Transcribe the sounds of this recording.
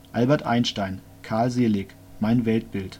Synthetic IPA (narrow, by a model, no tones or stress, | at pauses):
ʔalbɛɐtʔa̰ɪnʃtaɪn | kʰaɐlzeːlɪç | maɪnvɛlt̚b̥ɪlt